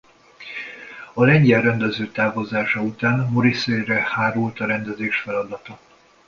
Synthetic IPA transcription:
ɒlɛɲɟɛlrɛnd̪ɛzøːt̪aːvozaːʃɒut̪aːnmoɾisejrɛhaːɾuːlt̪ɒɾɛnd̪ɛzeːʃfɛlɒd̪ɒt̪ɒ

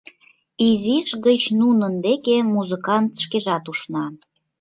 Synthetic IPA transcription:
iziʃɣət͡ɕnunənd̪ekemuzɨkɑnt̪ʃkeʒɑt̪uʃnɑ

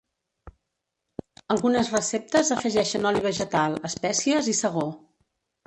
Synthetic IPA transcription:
əlˠɣunəzrəsep̚t̪əzəfəʒɛʃənɔliβ̞əʒət̪alˠəspɛsiəzisəɣo

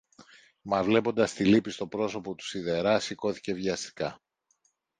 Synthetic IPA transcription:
mɐvle̞po̞nd̪ɐst̪ilipist̪o̞pɾo̞so̞po̞t̪u̥siðe̞ɾɐsiko̞θi̥ce̞vʝɐst̪i̥kɐ

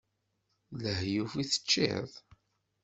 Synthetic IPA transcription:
ləhjufiθə̥t͡ʃːɪ̰ðˤ

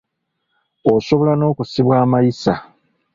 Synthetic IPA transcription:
o̞so̞βo̞lano̞ːkusiβwaːmajisa

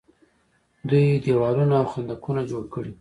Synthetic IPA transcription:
d̪ujd̪ewɑlunaːwxand̪akunad͡ʒoɽkəɽi

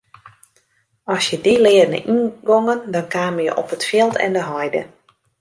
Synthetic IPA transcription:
ɔsjədilɪərnə̰ʔinɡɔŋəndɔnkaːməjə̰ʔɔpətfjɪlˠtʰɛ̰ndəɦɔjdə̰

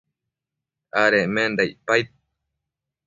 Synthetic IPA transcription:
aɾemend̪ajpajt̪̚

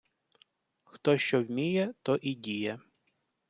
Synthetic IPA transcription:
xt̪ɔʃt͡ʃɔwmʲijɛt̪ɔʔidʲijɛ

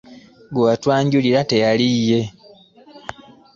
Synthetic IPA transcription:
ɡuwatwaːɲɟuliɾate̞jalije̞

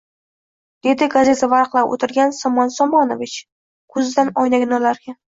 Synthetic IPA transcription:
d̪̥e̞d̪ɪɡaze̞t̪ʰavaɾqlˠapʔo̰t̪ʰɪɾɡʲansɒmɒnsɒmɒnovɪt͡ʃ | kʰɵzɪd̪anɒjnaɡʲɪnɒlaɾɡʲa

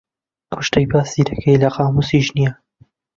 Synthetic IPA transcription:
kʰʊʃtɐjbaːsiɾɐkʰɐjlɐqɑːmusiʒnija

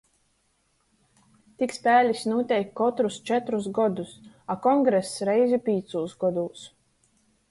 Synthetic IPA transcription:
t̪ikspʲæːlʲisnuɔt̪ʲɛjkːɔt̪ɾust͡ʃɛt̪ɾus̬ɡɔd̪us | akɔŋɡɾɛsɾɛjzipʲiːt̪suːsɡɔd̪uːs

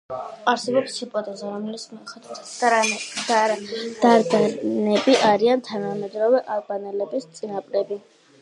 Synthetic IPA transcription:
aɾsɛbɔpsipʼɔt̪ʼɛzaɾɔmɛlismiχat̪ʰt̪ʰ | d̪̥aɾd̪anɛbiʔaɾiant̪ʰanamɛd̪ɾɔvɛʔalbanɛlɛbist̪sʼinapʼɾɛbi

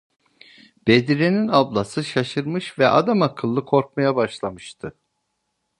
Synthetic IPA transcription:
b̥ed̪iɾeninablˠasɯʃaʃɯɾmɯʃvɛʔa̰d̪amakʰɯlˠːɯkʰo̞ɾk̚majabaʃlˠamɯʃt̪ʰɯ

